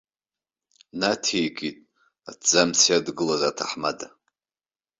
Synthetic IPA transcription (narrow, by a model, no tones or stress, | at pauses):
natʰejɡʼitʼ | a̰dd͡zamt͡sʰijadɡɨlazatʰaħmada